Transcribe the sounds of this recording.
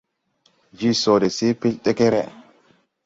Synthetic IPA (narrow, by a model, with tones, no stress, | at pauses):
d͡ʒi˦sɔ˨dɛ˨si˦pi˦lɗɛ˦kɛ˦ɾɛ